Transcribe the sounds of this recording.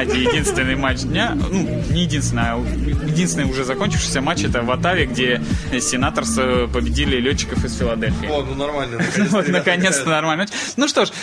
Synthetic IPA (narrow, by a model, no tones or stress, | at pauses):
dʲɪjɪdʲinst̪vʲɪnːɨjmat͡ɕd̪ʲnʲanu | nʲɪjɪdʲinst̪ʲɪnja | jɪdʲinsʲɪnəʊʐɛzɐkonʲt͡ɕɪ̥fʂɨ̥jsʲəmat͡ɕɛt̪əvɐt̪avʲɪɡdʲe̞sʲɪnat̪ərsəpəbʲɪdʲilʲɪlʲott͡ɕːɪ̥kəfɨsfʲɪlˠɐd̪elʲfʲɪjːnnɐrmalʲnəvot̪nəkɐnʲest̪ənɐrmalʲɪmat͡ɕ | nuʂt̪o̞ʂ